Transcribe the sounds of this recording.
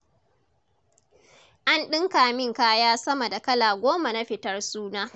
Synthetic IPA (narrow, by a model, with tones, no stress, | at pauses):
ʔa˦nɗɪ˦ŋkaː˨mɪ˦˨ŋkaː˦jaː˦sɐ˦mɐ˨da˨kɐ˦laː˨ɡʷoː˦ma˨na˦ɸɪ˨tɐ˦rsuː˦naː˦